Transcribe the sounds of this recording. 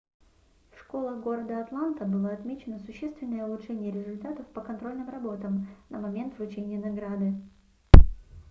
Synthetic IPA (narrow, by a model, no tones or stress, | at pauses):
fʂko̞lˠəxɡo̞ɾəd̪əɐt̪lˠant̪əbɨlˠəɐt̪mʲet͡ɕɪnəsʊɕːest̪vʲɪnːəjəʊlˠʊtʂɛnʲɪjəɾʲɪzʊlʲt̪at̪əfpəkɐnt̪ɾo̞lʲnɨmrɐbo̞t̪əmnʔəmɐmʲe̞nt̪vʊt͡ɕenʲɪjənɐɡɾad̪ɨ